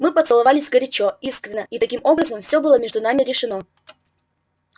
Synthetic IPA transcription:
mɨpət̪sɨlˠɐvalʲɪsʲɡəɾʲɪt͡ɕoiskɾʲɪnːəit̪ɐkʲimo̞bɾəzəmfsʲo̞bɨlˠəmʲeʐd̪ʊnamʲɪɾʲɪʂɨno

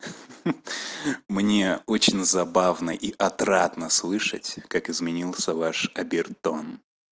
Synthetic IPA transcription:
mnʲeot͡ɕɪnʲzɐbavnəʔiʔɐt̪ɾat̪nəslˠɨʂə̰tʲkakɪzmʲɪnʲilˠsʲəvaʂɐbʲɪrt̪o̞n

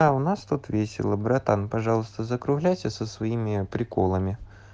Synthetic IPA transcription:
aʊnast̪ut̪vʲesʲɪ̰lˠəbɾɐt̪anpɐʐɑlˠəst̪əzəkɾʊɣlʲæjtʲɪsəsvɐimʲɪpɾʲɪkolˠəmʲɪ

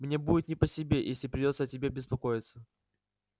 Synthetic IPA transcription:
mnʲe̞budʲɪt̪nʲɪpəsʲɪbʲe̞jʔesʲlʲɪpɾʲɪdʲo̞t̪sətʲɪbʲebʲɪspɐko̞jɪt̪sə

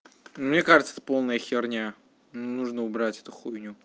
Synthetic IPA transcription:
umnʲekaʐɨt̪səɛt̪əpo̞lˠnəjəxʲɪrnʲa | nunuʐnəʊbɾatʲɛt̪ʊxujnʲʊ

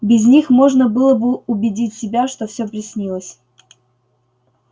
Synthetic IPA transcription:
bʲɪzʲnʲixmo̞ʐnəbɨlˠəbɨʊbʲɪdʲitʲsʲɪbʲaʂt̪ofsʲɵpɾʲɪsʲnʲilˠəsʲ

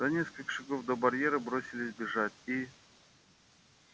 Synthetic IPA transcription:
z̥ɐnʲeskəlʲkə̥ʂaɡovd̪obɐɾʲjeɾɨbɾosʲɪlʲɪsʲbʲɪʐatʲi

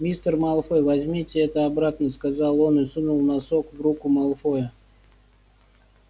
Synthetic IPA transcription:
mʲist̪ərmɐlˠfojvɐzʲmʲitʲɪɛt̪əɐbɾat̪nəskazalˠo̞nɨsɨnulˠnɐsokvɾukʊmɐlˠfojə

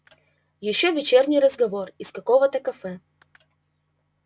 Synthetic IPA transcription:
jɪɕːovʲɪt͡ɕernʲɪjɾəzɡɐvorɪskɐkovət̪əkɐfɛ

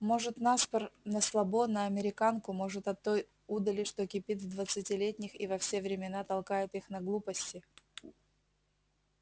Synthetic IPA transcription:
mo̞ʐɨt̪naspərnəslˠɐbo̞nəɐmʲɪɾʲɪkankʊmo̞ʐɨt̪ɐt̪ːo̞j | ud̪əlʲɪʂt̪okʲɪpʲizvd̪vət̪sɨtʲɪlʲetʲnʲɪxivɐfsʲe̞vɾʲɪmʲɪnat̪ɐlˠkajʊt̪ixnɐɡlˠupəsʲtʲɪ

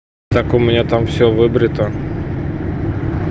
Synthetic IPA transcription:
t̪akʊmʲɪnʲat̪amfsʲovɨbɾʲɪt̪ə

